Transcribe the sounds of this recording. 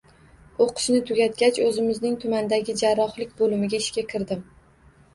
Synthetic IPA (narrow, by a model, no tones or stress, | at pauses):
oqʰɨ̥ʃnɪt̪ʰʊɡʲat̪̚kʲat͡ʃɵzɪmɪznɪŋt̪ʰʊmand̪aɡʲɪd͡ʒaɾːɒχlɪkʲbolɪmɪɡʲaɪʃkʲakʲʰɪɾd̪ɪm